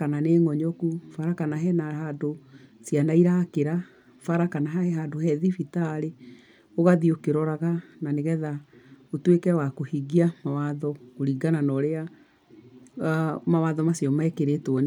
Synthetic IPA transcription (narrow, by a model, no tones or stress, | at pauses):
kananeːŋɔɲɔkufaɾakanaɦɛnahadosianaiɾakeɾa | faɾakanaɦaɛɦadoɦɛðifitaɾe | oɣaðiokeɾɔɾaɣananeɣɛðaotwekɛwakohiɡiamawaðɔkoɾiɡananɔɾea | mawaðɔmasjɔmaɛkeɾetwɔne